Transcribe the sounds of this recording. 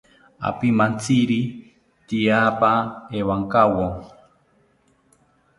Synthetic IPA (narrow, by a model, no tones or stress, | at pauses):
a̰pimant͡siɾi | t̪iapaewaŋkawo